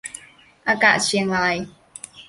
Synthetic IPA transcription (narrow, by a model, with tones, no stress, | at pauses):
a˧ka̰˧ʔt͡ɕi˧˦ŋla˧j